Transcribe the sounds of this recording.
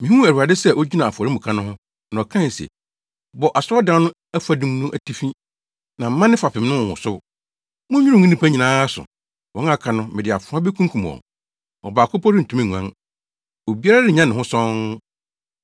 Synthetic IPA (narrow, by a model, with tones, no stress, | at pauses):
mĩ˨hũ˦ɛ˨ɾu˨a˨dɪ˦sɛ˦ʔɔ˦d͡ʑi˦nã˨a˨fɔ˨ɾɪ˦mʊ̃˨kʰã˦nʊ̃˦ɦʊ̃˦ | nã˨ɔ˨kʰã˦˨sɛ̰˨ | bɔ˨ʔa˨sʊ˦ɔ˦dã˨˦nʊ̃˦ | æ˦fa˨dũ˨˦mnũ˦ʔæ˨tʰi˦fĩ˦ | nã˨m̩˨˦mã˦nɪ̃˦fa˨pɪ̃˨m˦nʊ̃˦˨hʊ̰̃˨sʊ˦ | mʊ̃˦ɲᶣu˦ʊ̃˦˨ŋĩ˦nĩ˦pʰa˦ɲi˨nãː˦sʊ̰˨ | wɔ̃˨ŋ˦a˦kʰã˨nʊ̃˦mɪ̃˨dɪ˨a˨fʊ˨˦ã˦bɛ˦kʰũ˦ŋ˦kʰũ˨m˨ɔ̰˨ | ɔ̰˨baː˨kʰʊ˦pʰɔ˦ɾɪ̃˦n̩˨tʰũ˨˦mĩ˦˨ɲu˨ã̰˦ŋ | o˨bi˦a˦ɾa˦dɪ˦ɲã˦n˨ɪ̃˨ɦʊ̃˦sɔ̃˦ŋ